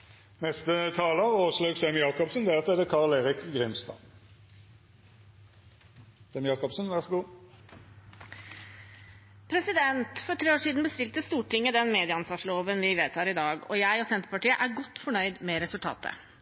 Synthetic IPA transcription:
nɛst̪ət̪ʰɑːləʁoːsløːɡsɛmjɑːkɔpsnd̪ɛɑt̪ɛd̪əkʰɑʁleːʁɪkɡʁɪmst̪ɑ̰n | sɛmjɑːkɔpsn̩ʋæʁsɔɡuː | pʰɾɛsɪd̪ɛnt̪fɔɾʈʰɾeːoːʂiːd̪n̩bəst̪ɪlt̪əst̪uːʈɪŋːəd̪ɛnmeːd̪ɪəɑnsɑːʂloːʋənʋɪʋeːt̪hɑːɾɪd̪ɑːɡɔ̰jæɪɔsɛnt̪əɾpɑʈiːəʔæɾɡɔt̪ːfɔɳœʏd̪mɛɾɛsʉlt̪ʰɑ̰ːt̪ə̰

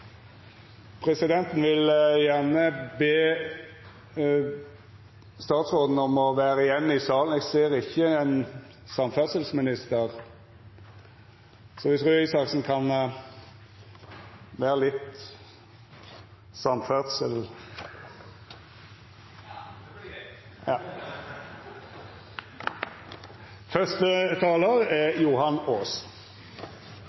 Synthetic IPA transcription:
pʰʁɛsɪd̪ɛnt̪n̩ʋɪljæʁnəbeː | st̪ɑːt̪sʁoːd̪n̩ɔmɔʋæːʁəjɛnːɪsɑːln̩ɛːɡseːʁɪçːəɛn | sɑmfœʁsəlsmɪnɪst̪əʁ | sɔʋɪt̪ʰʁʉːɪsɑksn̩kʰɑn | ʋæːʁəlɪt̪ː | sɑmfød̪səl | fœst̪ət̪ʰɑːləʁɛjʊhɑnoːs

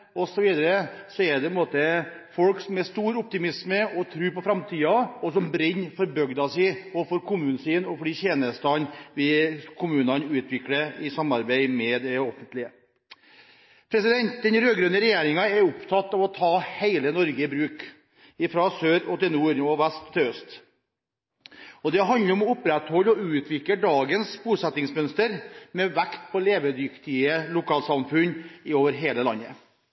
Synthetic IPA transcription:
ɔsɔʋiːd̪əɾəsɔɛɾd̪ɛpʰənmoːt̪ə | fɔlksɔmɛst̪uːɾʊp̚t̪ɪmɪsməɔt̪ʰɾʉːɾpɔfɾɑmt̪ʰiːɑɔsɔmbɾɪnːfɔɾbœɡd̪ɑsɛɔfɔɾkʰʊmʉːnsiːnɔfɔliːçeːnəst̪ɑnʋɪkʰʊmʉːnɑnʉːt̪ʰʋɪkɽəɪsɑmːɑɾbæɪmɛd̪ɛɔfənt̪lɪə | pʰɾɛsɪd̪ɛnt̪̚d̪ɛnɾøːɡɾœnəɾɛjeːɾɪŋɑɛɾʊpt̪ʰɑt̪ːɑʋɔt̪ʰɑːheɪlənɔɾɡəɪbɾʉːk | ɪfɾɑsøːɾɔt̪ɪlnuːɾɔʋæst̪ʰːɪœst̪ | ɔd̪ɛɦɑnləɾɔmɔʊpɾɛt̪hɔlːɔʉːt̪ʰʋɪkləɖɑːɡənsbuːsɛt̪ɪŋsmœnst̪əɾmɛʋækt̪pʰɔleːʋəd̪ʏkt̪ɪəlʊkʰɑːlsɑmfʉnːɪoːʋəɾɦeːləlɑnːə

